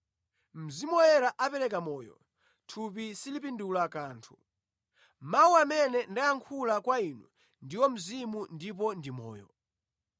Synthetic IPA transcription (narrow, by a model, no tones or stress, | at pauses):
m̩zimɔɛɾaʔapɛɾɛkamɔːjɔ̰ | tʰup̬isilip̬indulakaːntʰu̥ | mauamɛnɛndajaŋkʰulakwainṵ | ndiwɔm̩zimundipɔndimɔ̰ːjɔ̰